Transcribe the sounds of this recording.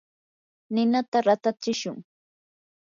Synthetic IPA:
nɪnat̪aɾat̪at͡ʃɪʃʊŋ

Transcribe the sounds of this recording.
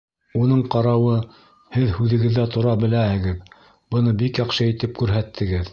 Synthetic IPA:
unɤɴqɑɾɑwɤ | hɘðhʉðɘ̆ɡɘ̆ðːæt̪ʰŏɾɑbɘ̆læhɘ̆ɡɘð | bɤ̆nɤbikjɑqʃɤit̪ɘp̚kʉɾɦæt̪ʰːɘ̆ɡɘð

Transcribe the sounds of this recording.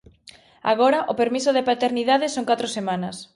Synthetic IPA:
a̰ɣɔɾɐʔopeɾmisʊðepat̪eɾniðaðɪsoŋkat̪ɾosemãnɐs

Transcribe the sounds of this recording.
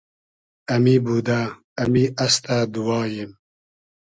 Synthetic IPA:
ɐmiːbuːd̪a | ɐmiʔɐst̪ad̪uwɑːjim

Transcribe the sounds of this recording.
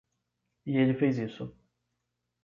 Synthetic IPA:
ɪelɪfejzisʊ

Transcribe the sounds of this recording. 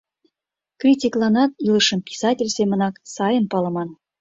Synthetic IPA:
krʲitʲiklˠɑnɑt̪iləʃə̆mpʲi̥sɑtʲelʲsemə̆nɑksɑjənpɑlɤ̆mɑn

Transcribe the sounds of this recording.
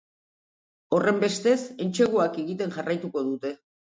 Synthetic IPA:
o̞re̞mbe̞st̪e̞se̞nt͡ʃe̞ɣuakeɣit̪e̞nʝarajt̪uko̞ð̞ut̪e̞

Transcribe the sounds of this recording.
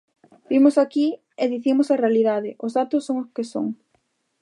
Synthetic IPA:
bimʊsaki | eðiθimʊsɐrealiðaðɪʔʊzðat̪ʊsːoŋoskeso̰ŋ

